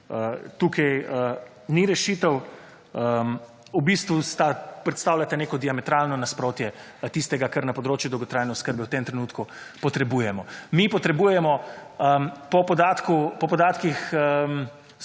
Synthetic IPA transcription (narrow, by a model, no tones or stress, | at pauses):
ət̪uːkʰɛjə | niɾɛʃiːt̪əw | ə | ubist̪ʋust̪apɾɛt̪st̪aːwlʲat̪aneːkɔd̪iamɛt̪ɾalnɔnaspɾoːt̪jɛ | t̪ist̪ɛɡakaɾnɐpɔd̪ɾoːt͡ʃjud̪ɔwɡɔt̪ɾaːjnɛuskəɾbɛwt̪eːmt̪ɾɛnuːt̪ku | pɔt̪ɾɛbuːjɛmɔmipɔt̪ɾɛbujɛmɔəpɔpɔd̪aːt̪kupɔpɔd̪aːt̪kixm